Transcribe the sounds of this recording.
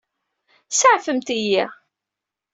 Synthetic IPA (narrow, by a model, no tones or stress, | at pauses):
səʕfəmt̪ijiʁ